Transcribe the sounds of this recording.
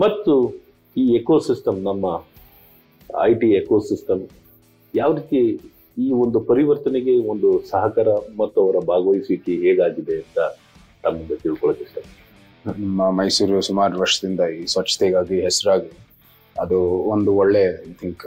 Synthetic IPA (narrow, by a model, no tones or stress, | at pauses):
mɐt̪ːu | iːekoːsisʈɐmnɐmːɐ | ɐ̰jʈiekoːsisʈɐm | jaːʋɾiːt̪ije | iːo̞nd̪upɐɾiʋɐɾt̪ɐneɡe̞o̞nd̪usɐɦɐkɐɾɐmɐt̪ːuɐʋɐɾɐbʱaːɡɐʋɐjisʋikːeɦeːɡaːɡid̪e̞ɐnt̪ɐ | t̪ɐmːind̪ɐt̪iɭkɔɭɐt̪ːiʂʈɐ | nɐmːɐmɐjsuːɾusumaːɾuʋɐɾʂɐd̪ind̪ɐiːsʋɐt͡ʃːɐ̥t̪ɛɡaːɡiɦesɐɾuaːɡi | ɐd̪uond̪uɔɭːe̞ɐjt̪ʰiŋk